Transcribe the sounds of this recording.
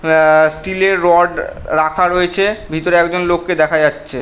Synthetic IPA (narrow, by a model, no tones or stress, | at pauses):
sʈileɾːɔɖɾakʰaɾoet͡ɕʰebʱit̪oɾeɛkd͡ʑonlokːed̪ɛkʰad͡ʑatːɕʰe